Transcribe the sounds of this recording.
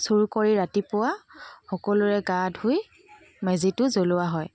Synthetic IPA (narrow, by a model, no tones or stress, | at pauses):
suɹukoɹiɹatipʊwaxɔkɔlʊɹɛɡadʱuj | mezitʊzolʊwaɦɔj